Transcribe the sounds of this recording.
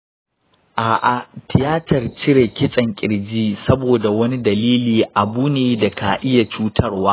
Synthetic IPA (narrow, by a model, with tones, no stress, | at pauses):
ʔaː˨ʔa˨tʰɪ˨jaː˦tɐ˨rt͡ʃɪ˦ɽe˨kʲɪ˦sʼɐ˨ŋkʲʼɪ˨ɽd͡ʒiː˦sɐ˦boː˨da˨wɐ˦ni˦dɐ˨liː˦liː˨ʔa˨buː˦neː˨da˨kʰa˨ʔɪ˦ja˨t͡ʃuː˦tʰɐ˦rwaː˦